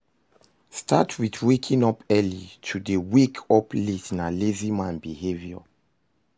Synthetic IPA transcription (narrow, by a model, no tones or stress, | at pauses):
stʰatʰwiθwekʰĩŋɔpʰɛlitʰudəwikʰɔpʰlitnalizimãnbihevjɔ̰